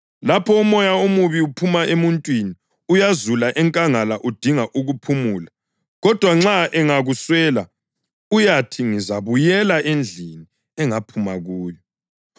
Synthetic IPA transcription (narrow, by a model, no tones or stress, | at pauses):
lapʰɔumɔjaumuβiupʰumaʔemuntʼwini | ujazulaʔɛŋkʼaŋalaʔud̥ʱiŋaʔuɣupʰumuːla | ɣɔd̥ʱwaŋ͡ǁaʔɛŋaɣuswɛːla | ujatʰiŋizaβujɛlaʔend͡ɮʱini | ɛŋapʰumaɣuːjɔ